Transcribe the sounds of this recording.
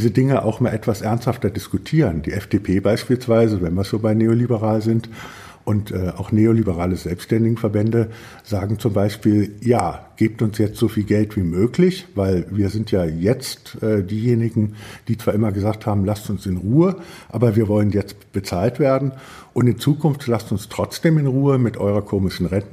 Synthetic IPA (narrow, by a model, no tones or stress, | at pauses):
iːzədɪŋəʔa̰ʊxʔmaːlʔɛtv̥asʔɛɐnsthaftɐdɪskutʰiːʁənd̥iːʔɛfd̥eːpʰeːbaɪʃpiːlsv̥aɪzəvɛnviːɐsz̥oːbaɪneːolibəʁaːlzɪnt | ʔʊntʔɛːaʊxneːolibəʁaːləzɛlpsʃtɛndɪɡŋ̩fɛɐbɛndə | z̥aːɡŋ̩t͡sʊmbaɪʃpiːljaːɡ̥eːp̚tʊnsjɛt͡stz̥ofiːlɡɛltv̥iːmøːklɪçv̥aɪlviːɐzɪntʰjaːjɛt͡stʔɛːdiːjeːnɪɡŋ̩d̥iːt͡sv̥aːʔɪmɐɡəzaːk̚thaːbm̩lastʊnsɪnʁuːəʔaːbɐviːɐvɔlənjɛt͡stb̥ət͡saːltv̥eːɐdn̩ | ʔʊntɪnt͡suːkʰʊnftlastʊnstʁ̥ɔt͡sd̥eːmɪnʁuːəmɪtʔɔ̰ʏʁɐkʰoːmɪʃn̩ʁɛnt